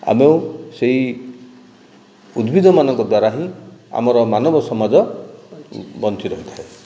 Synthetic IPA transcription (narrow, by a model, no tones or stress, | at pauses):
a̰meũseɦi | ud̪bʱid̪ʱɔmanɔŋkɔd̪waɾaɦĩa̰mɔɾɔmanɔbɔsɔmad͡ʒɔ | bɔnt̪ʰiɾɔɦit̪ʰaɦe